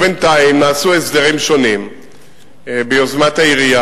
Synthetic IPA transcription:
bent̪aimnaːsuesd̪aʁimʃo̞nim | beozmat̪aiʁia

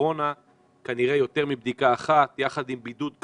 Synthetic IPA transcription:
o̞na | kaniʁe̞jo̞t̪e̞ʁmibd̪ikaːχat̪jaχad̪imbid̪ut̪k

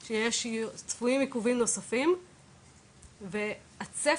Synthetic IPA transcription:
ʃejeʃt͡sfuimikuvimno̞safim | ve | at͡se

